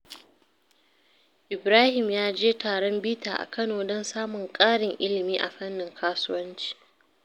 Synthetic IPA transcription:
ʔɪ˨bɾaː˦hɪ˨mjaː˦d͡ʒeː˦taː˨ɽɔ˦mbiː˦ta̰ː˨ʔa̰˨kɐ˦noː˨dɔ˦nsaː˦mʊ˨ŋkʼaː˦ɽɪ˨ŋʔɪ˦lɪ˨miː˦ʔa˨ɸɐ˦nːɪ˨ŋkʰaː˦sʊ˦wɐ˦nt͡ʃi̥ː˨

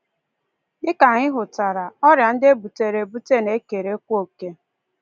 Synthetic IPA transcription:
ɡɪ˦ka˨ɲɪ˦ɦʊ˨ta˨ɾa˨ɔ˦ɾja˨n̩˦de˦bu˨te˨ɾe˨bu˦te˦ne˨˦ke˨ɾe˨˦kʷo˦˨ke˦

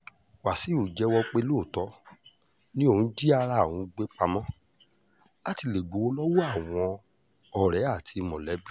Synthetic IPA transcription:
wa˨si˨˦o˨d͡ʒɛ˨˦wɔ˧k͡pe˧˦lu˦o˦˨tɔ˨˦ | nĩ˦o˦˧˨d͡ʒi˦a˧ɾa˦˨wũ˨˧ɡ͡be˦k͡pa˧mɔ̃˦ | la˦ti˧le˨ɡ͡bo˨˦wo˦˧lɔ˦wɔ˦a˦˨w̃ɔ̃˧ | ɔ˨ɾɛ˨˦a˦˨tʰi˧mɔ̃˨lɛ˨˦bi˦

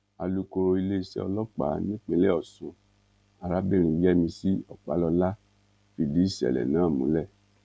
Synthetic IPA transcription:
a˧lu˦ko˧i˧le˦i˧sɛ̰˦ɔ̰˧lɔ˦k͡pa̰˨˦nĩ˦k͡pe˧˦le˦ɔ˦˨sũ˧ | a˧ɾa˦bi˦˨ɾ̃ĩ˧˨˦jɛ˦mĩ˧si˦ɔ˨k͡pa̰˨˦lɔ˧la˦ | fi˧di˨˦si˨˦ɛ̰˨lɛ̰˨nãː˨˦˨mṵ̃˨˦lɛ˦˨

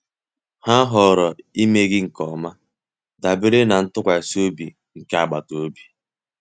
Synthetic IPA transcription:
ha˦ɦɔ˨ɾɔ˨i˦me˦ɡɪ˦ŋ̩˨kɔ˨ma˦ | da˨be˦ɾe˦na˨n̩˦tʊ˦kʷa˨e˨so˦bi˨ | ŋ̩˨ka˨a˨ɡ͡ba˨to˦bi˨

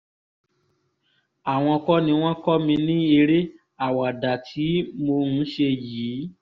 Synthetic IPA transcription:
a˨w̃ɔ̃˧kɔ˦nĩ˧w̃ɔ̃˦kɔ˦mĩ˧nĩ˦e˧ɾe˦ | a˨wa˨da˨tʰi˨˦mo˧nũ˦ʃe˧jiː˨˦

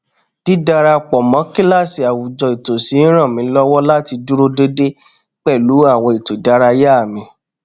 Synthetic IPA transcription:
ti˦da˧ɾa˧k͡pɔ˨mɔ̃˨˦ki˦la˦˨si˨a˨wu˨d͡ʒɔ˨i˨to˨si˨˦ɾ̃ã˦˨mĩ˨˦lɔ˦wɔ˦la˦ti˧du˦ɾo˦de˦de˦ | k͡pɛ˦˨lu˨˦a˦˨w̃ɔ̃˧˨i˨to˨da˨˦ɾa˧ja˦˨mĩ˧

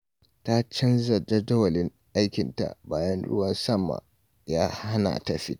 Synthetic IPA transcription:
ta˦t͡ʃɐ˦nzɐ˨d͡ʒɐ˦dɐ˦wɐ˨lɪ˦ŋ | ʔa˦jkʲɪ˨nta̰˨ʔbaː˦jɐ˦nɽʊ̰˦wɐ˦nsɐ˦˨mːa̰˨ | jaː˦ha˦na̰˨tɐ˨ɸḭ˦

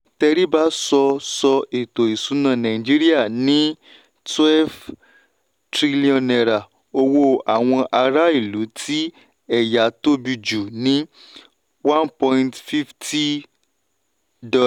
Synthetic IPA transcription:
tɛ˧ɾi˦ba˦sɔ˧sɔ˧e˨to˨i˨su˨˦nã˦˨nã˨ĩ˨d͡ʒi˦ɾi˦a˦˨nĩ˨˦ | twɛ˦v | tɾi˦li˦ɔ̃˨nɛ˨ɾa˨ | o˧wo˧a˨w̃ɔ̃˧ʔa˧ɾa˦i˦˨lu˨˦tʰi˦ | ɛ˦˨ja˨˦to˦bi˧d͡ʒu˨nĩ˦ | wã˦npɔ̃˧ntfi˦fti˦ | dɔ˧˨

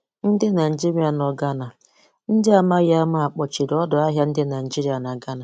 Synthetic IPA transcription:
n̩˦dɪ˦na˨ni˨d͡ʒi˦ɾi˦a˨nɔ˨ɡa˦na˨ | n̩˦dɪ˦a˦ma˦ɣa˦ma˦a˨k͡pɔ˨t͡ʃi˨dɔ˦dɔ˨a˦ɦja˦n̩˦dɪ˦na˨d͡ʒi˦ɾi˦a˨na˨ɡa˦na˨

